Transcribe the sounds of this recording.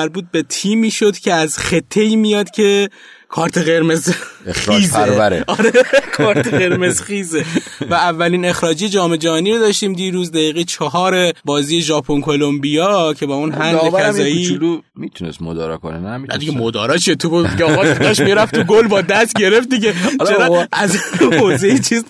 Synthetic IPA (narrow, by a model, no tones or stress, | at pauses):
æɾbuːt̪̚be̞t̪ʰiːmiːʃo̞d̪cʰe̞æzxe̞t̪ʰːe̞jmijɒːd̪̥cʰe̞ | kʰɒːɾt̪ʰe̞ɣe̞ɾme̞ziːzeɾæɾḛɒɾekʰɒːɾt̪ʰeɣe̞ɾmezxiːzevæævːæliːne̞xɾɒːd͡ʒijed͡ʒɒːme̞d͡ʒæhɒːniɾod̪ɒːʃt̪iːmd̪iːɾuːzd̪æjiːɣejt͡ʃʰɒɦɒːɾebɒːziːje̞ʒɒːpʰo̞nkʰo̞lombijɒːcʰe̞bɒːunɦænd̪eæzɒːjiːulu | mit̪ʰunest̪mod̪ɒ̰ːɾɒ̰ko̰nenæinæ̰d̪iɡemod̪ɒ̰ːɾɒːt͡ʃʰiet̪ʰuboiɡeɒːɣd̪ɒʃmiɾæft̪ʰuɡolbɒːd̪æst̪ɟe̞ɾeft̪̚d̪iɟelt͡ʃeɾɒæzhozejit͡ʃʰiz